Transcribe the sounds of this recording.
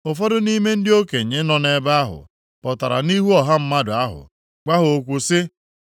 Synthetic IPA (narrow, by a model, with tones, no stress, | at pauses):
ʊ˨fɔ˦dʊ˦ni˦me˦n̩˦dɪ˦o˦ke˨ɲe˦nɔ˨ne˦ba˦ɦʊ̰˨ | pɔ˨ta˨ɾa̰˨ni˦ɦu˦ɔ˨ɦa˦m̩˦ma˦dʊ˨a˦ɦʊ̰˨ | k͡pa˦ɦʊ˨o˨kʷu˨sɪ˦